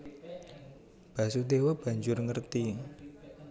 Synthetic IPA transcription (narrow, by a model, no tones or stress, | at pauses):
b̥ä̤sud̪ewəb̥a̤ɲd͡ʒʊrŋərt̪i